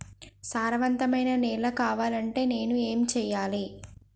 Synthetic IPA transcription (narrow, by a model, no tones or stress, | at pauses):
saːɾɐʋɐnt̪ɐmɐjnɐnɛːlɐkaːʋaːlɐɳʈe̞ːne̞ːnue̞ːmit͡ʃɛːjaːli